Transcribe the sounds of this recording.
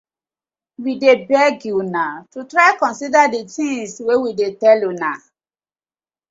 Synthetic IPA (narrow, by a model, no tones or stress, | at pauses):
widebɛɡunatutɹaɪkɔ̃nsidadetĩswewidetɛlona